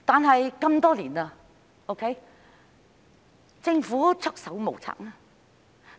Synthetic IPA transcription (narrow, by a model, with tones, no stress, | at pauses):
t̪aː˨nɦɐ˨jkɐ˧mt̪ɔː˥liː˨˩nɐ˧ | o˥wkʰe˨˥j | t͡sɪ˧ŋfuː˨˥t͡sʰɵ˥k̚sɐ˨˥wmo˨˩wt͡sʰa̰ː˥k̚naː˥˧